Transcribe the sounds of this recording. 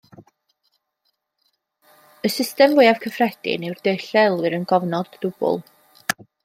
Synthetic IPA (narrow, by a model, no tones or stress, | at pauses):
əsɪstɛmvʊɨjav̥kʰəfrɛd̥ɪ̰nɛwrd̥eɨɬɛlˠwɨɾənɡɔvnɔdːʊb̥ʊ̰lˠ